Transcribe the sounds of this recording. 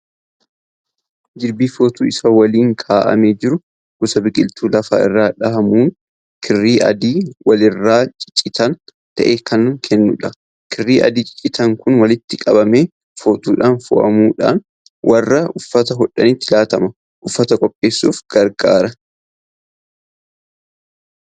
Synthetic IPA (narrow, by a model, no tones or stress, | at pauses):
d͡ʒɪɾbiːfoːt̪uːɪsɐwɐliːŋkʰaːʔɐ̰meːd͡ʒɪɾʊ | ɡ̥ʊsɐbɪkʼɪlt̪uːlɐfa̰ːɪ̰rːaːᶑɐhɐmuːn | kʰɪrːiːʔɐ̰d̪iːwɐlɪrːaːt͡ʃʼɪ̥t͡ʃʼːɪt̪ɐn | t̪ɐʔe̞ːkʰɐnŋkʰɛnːʊ̰ᶑɐ | kɪrːiːʔɐ̰d̪iːt͡ʃʼɪ̥t͡ʃʼːɪt̪ɐŋkʊnwɐlɪt̪ːɪkʼɐbɐmeː | foːt̪uːᶑaːnfʊ̰ʔɐ̰muːᶑa̰ːn | wʔɐrːɐʊfːɐt̪ɐɦɔᶑɐnɪt̪ːɪlaːt̪ɐmɐ | ʔʊfːɐt̪ɐkʼɔpʼːe̞ːsːṵːfɡ̥ɐɾɡa̰ːɾɐ